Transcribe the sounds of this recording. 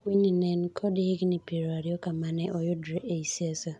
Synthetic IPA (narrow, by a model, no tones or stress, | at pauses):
wiɲĩnẽnkʰɔdɪhɪɡnɪpeɾoaɾɪɔkamanɪʔɔjʊdɾeʔeisiasa